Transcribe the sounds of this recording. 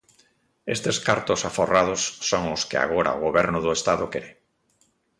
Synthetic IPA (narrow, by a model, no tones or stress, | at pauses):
est̪eskaɾt̪osaforað̞osːoŋoskɪ̰a̰ɣ̞oɾa̰oɣ̞oβɛɾnʊðoest̪aðokeɾe